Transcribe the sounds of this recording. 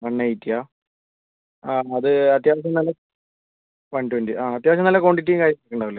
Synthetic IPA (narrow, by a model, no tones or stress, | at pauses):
ʋɐɳːɐɐjitːijaː | aːɐðɨɐt̪jaːʋɐɕ̬ɐmnɐlːɐ | ʋɐɳɖuʋɐɳɖiʔaːɐt̪jaːʋɐɕ̬ɐmnɐlːɐkoːɳɖit̬ːijumkaːɾjɐmːɐɐkːeɳɖaːʋɐlːe